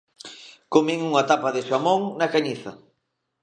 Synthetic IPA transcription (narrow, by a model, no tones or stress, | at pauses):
komiŋuŋat̪apaðɪʃamoŋnɐkaɲiθɐ